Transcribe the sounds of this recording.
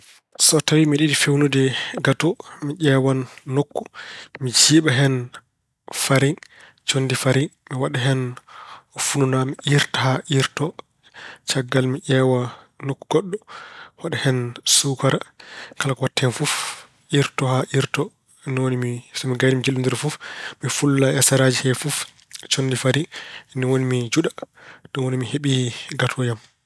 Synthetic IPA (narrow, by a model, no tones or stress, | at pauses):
sɔtawimiɗidifewnudɛɡatɔmiʔɛwanːokːumid͡ʒiːɓaɦɛn | faɾiŋ | t͡ʃondifaɾiŋmiwaɗɛɦɛn | fununamiʔiɾtahaʔiɾtɔ | t͡ʃaɡːalmiʔɛwa | nokːuɡɔɗːɔwaɗɛhɛnsukaɾakalakɔwatʰːɛnfuf | ʔiɾtɔhaʔiɾtɔ | niwonimisɔmiɡajdimd͡ʒilːundiɾfufmifulːaɛsaɾad͡ʒihɛfuf | t͡ʃondifaɾiniwonimid͡ʒuɗad̥unwonimiheɓiɡatʰɔjam